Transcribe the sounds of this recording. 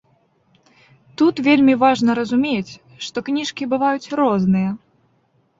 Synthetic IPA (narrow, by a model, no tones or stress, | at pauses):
t̪ut̪vʲelʲmʲivaʐnɐɾɐzumʲet͡sʲ | ʂt̪ɔknʲiʂkʲibɨvajut͡sʲrɔznɨjɐ